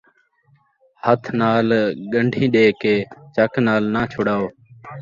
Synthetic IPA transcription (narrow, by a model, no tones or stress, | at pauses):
hət̪ʰnaːlɠəɳɖʱĩːɗeːkeːt͡ʃəknaːlnãːt͡ʃʰʊːɽaːoː